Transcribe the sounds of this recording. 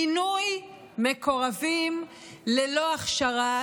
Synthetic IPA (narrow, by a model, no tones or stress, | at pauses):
inuj | meko̞ʁavim | leloaχʃaʁa